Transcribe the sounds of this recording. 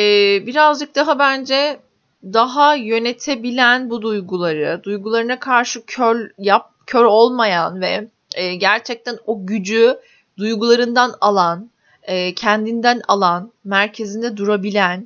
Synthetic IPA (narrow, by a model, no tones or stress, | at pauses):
ɛːbiɾazd͡ʒɯk̚d̪aɦabænd͡ʒɛ | d̪aɦajø̞net̪ʰebilʲænbud̪ujɡulˠaɾɯd̪ujɡulˠaɾɯnakʰaɾʃɯcʰølʲjap̚cʰøɾo̞lˠmajanvɛ | ɛːɟæɾt͡ʃʰɛc̚t̪ʰænoɟyd͡ʒy | d̪ujɡulˠaɾɯnd̪analˠan | ɛːcʰɛnd̪ind̪æna̰lˠanmæɾcʰe̞zind̪ɛd̪uɾabilʲæn